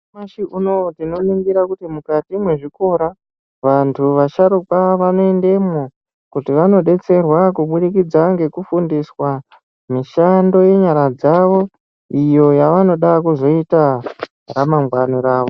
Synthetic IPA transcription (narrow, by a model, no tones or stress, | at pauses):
maʃiʔunotino̞niŋɡiɾakutimukatimwe̞ʐiko̞ɾa | ʋantʰuʋaʃaɾupaʋano̞e̞nde̞mo | kutiʋano̞ɗe̞t͡se̞rwakuɓuɗikid͡zaŋɡe̞kufundiswa | miʃando̞je̞ɲaɾad͡zaʋo̞ | ijo̞jaʋano̞ɗakuzo̞ita | ramaŋɡwanoɾaːʋo